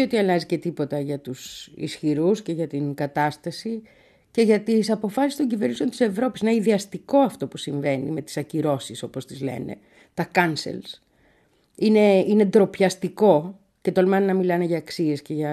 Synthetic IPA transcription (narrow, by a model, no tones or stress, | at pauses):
o̞t̪iɐlɐzice̞t̪ipo̞t̪ɐʝɐt̪usḭsçiɾusce̞ʝɐt̪iŋɡɐt̪ɐst̪ɐsi | ce̞ʝɐt̪isɐpo̞fɐsist̪o̞ɲɟiveɾniso̞nt̪ise̞vɾo̞pisineiðeɐst̪iko̞ɐft̪o̞pusiɱve̞nḭme̞t̪i̥sɐciɾo̞siso̞po̞st̪izle̞̰ne̞̰ | t̪ɐkɐnsḛls | ine̞ine̞d̪ɾo̞pçɐst̪iko̞ | ce̞t̪olmɐnnɐmilɐne̞ʝɐːksie̞sce̞ʝɐ